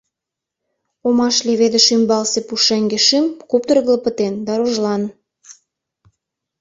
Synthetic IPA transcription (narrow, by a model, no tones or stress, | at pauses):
omɑʃleβed̪ə̆ʃymbɑlsepuʃeŋɡeʃimkop̚t̪əɾəɣlə̆pət̪end̪ɑɾoʒlɑn